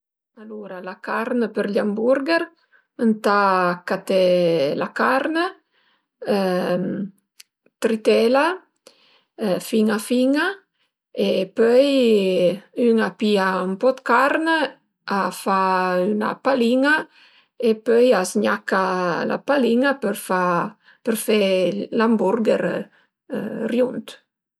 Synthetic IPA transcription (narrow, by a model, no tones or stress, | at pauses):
aluɾalakaɾnəpəɾʎambuɾɡeɾ | ənt̪akat̪ɛlakaɾnə | t̪ɾit̪ɛla | fiŋafiŋa | epœj | yŋapiaumpɔd̪kaɾnə | afayna̰paliŋa | epœjazɲakala̰paliŋapəɾfa | pəɾfelambuɾɡeɾ | rjunt̪